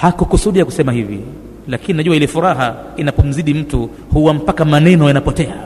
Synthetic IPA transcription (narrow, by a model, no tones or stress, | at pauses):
hakukusuɗijaku̥sɛmahivḭ | lakininaʄuailɛfuɾaɦainapɔm̩ziɗim̩tu | huwam̩pakamanɛnɔjanapɔtɛa